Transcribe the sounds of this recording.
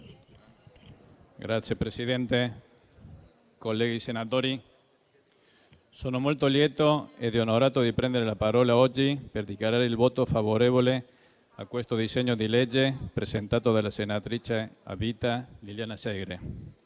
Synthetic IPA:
ɡɾat̪sjepɾesiðent̪e | kolːeɣisenat̪oːɾi | soːnomolt̪oljet̪oed̪ionoɾaːt̪od̪ipɾɛnd̪eɾelapaɾɔːlaɔd͡ʒːiperd̪ikjaɾaːɾeilboːt̪ofaβoɾeβole | a̰kwest̪oðiseɲod̪iled͡ʒepɾesent̪aːt̪oðalasenat̪ɾit͡ʃea̰bit̪aliljanaseɡɾe

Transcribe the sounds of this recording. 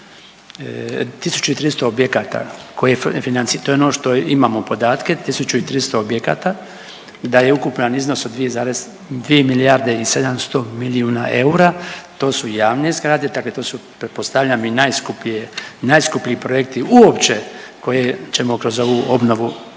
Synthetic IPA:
t̪isu̥t͡ʃuit̪ɾiːst̪o̞objekat̪a̰kojefinant̪sit̪oeonoʃt̪o̞imamopo̞d̪aːt̪ke̞t̪isut͡ʃuit̪ɾist̪o̞objeka̰ːt̪a | d̪ajeukupʎanizno̞sod̪ʋijezaːɾez | d̪ʋiemilijaɾd̪eise̞d̪amst̪o̞miliuːna̰ʔe̞uɾat̪o̞ːsujaːʋnezɡɾad̪ed̪akle̞t̪oːsupɾet̪post̪aʋʎaminajskupienajskupʎiːpɾoje̞kt̪iuopt͡ʃe̞ko̞jet͡ʃe̞mokɾo̞zo̞ʋuo̞bno̞ʋu

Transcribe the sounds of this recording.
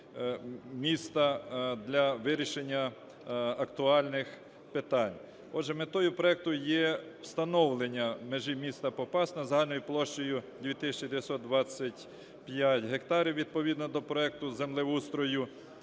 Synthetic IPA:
mʲist̪ɐd̪lʲɐʋɪɾʲiʃenʲːɐ | ɐkt̪ʊɑlʲnɪx | pet̪ɑnʲ | ɔdʒɛmet̪ɔjʊpɾɔɛk̚t̪ʊjɛ | wst̪ɐnɔwlˠenʲːɐmeʒɪmʲist̪ɐpɔpɑst̪nɐzɐɦɑlʲnɔjʊplˠɔʃt͡ʃɔjʊd̪ʲʋʲjit̪ɪsʲt͡ʃid̪eʋʲjɐsɔt̪̚d̪ʋɑt͡sʲːɐtʲ | pjatʲɦekt̪ɑɾʲiwʋʲid̪̚pɔʋʲid̪nɔd̪ɔpɾɔɛk̚t̪ʊzemlˠɪʋust̪ɾɔjʊ

